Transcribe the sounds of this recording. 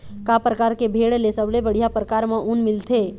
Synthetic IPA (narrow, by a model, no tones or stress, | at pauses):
kapɾəkaːɾkebʱeːɽlesəblebəɽ̤ijapɾəkaːɾmẽʔunmɪlt̪ʰe